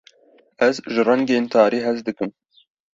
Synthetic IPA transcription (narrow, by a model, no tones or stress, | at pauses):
ʔɛzʒɨrɛŋɡeːnt̪ʰɑːɾiːɦɛzd̪ɨkɨm